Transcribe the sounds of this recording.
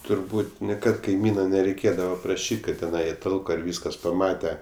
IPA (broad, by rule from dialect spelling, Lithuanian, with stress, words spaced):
tʊrˈbuːtʲ nʲɪˈkɐt kɐɪˈmʲiːnɐ nʲɛrʲɛɪˈkʲeːdɐʋɐ prɐˈʃʲiːtʲ ˈkɐt tʲɛˈnɐɪ ɪ ˈtɐlˠkoː ɪr ˈʋʲiːskɐs pɐˈmɑːtʲɛ